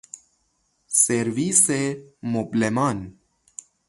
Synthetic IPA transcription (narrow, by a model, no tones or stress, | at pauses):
seɾʋisemoblemaːn